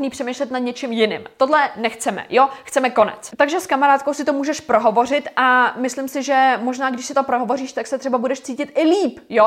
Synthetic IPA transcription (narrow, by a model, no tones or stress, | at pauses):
niːpr̝̥ɛmejʃlɛt̪nad̪ɲɛt͡ʃɪmjɪnɪ̰mt̪o̞dlɛnɛxt͡sɛmɛ̰jo̞xt͡sɛmɛko̞nɛ̰t͡st̪aɡʒɛskamaɾaːt̪̚kowsɪt̪omuːʒɛʃpɾoɦo̞vo̞r̝ɪt̪ʔamɪslɪmsɪʒɛmoʒnaːɡdɪʃsɪt̪o̞pɾoɦo̞vo̞riːʃt̪aksɛt̪r̥ɛbabudɛʃt͡siːcɪt̪ʔɪliːpjo